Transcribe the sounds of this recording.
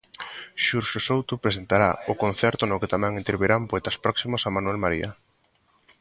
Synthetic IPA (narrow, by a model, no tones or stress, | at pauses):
ʃuɾʃosowt̪ʊpɾesent̪aɾaʊkon̟θɛɾt̪ʊnʊket̪amɛ̃ŋĩnt̪eɾβeɾampoet̪aspɾɔksimosamanuɛlmaɾḭa̰